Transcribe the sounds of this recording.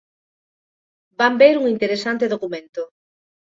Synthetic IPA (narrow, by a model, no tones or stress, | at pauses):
bambeɾuŋint̪eɾesant̪eðokumẽnt̪o